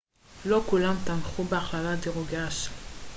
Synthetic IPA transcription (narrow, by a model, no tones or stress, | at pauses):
lokulamt̪anχubeaχlalad̪eʁoɡaʃ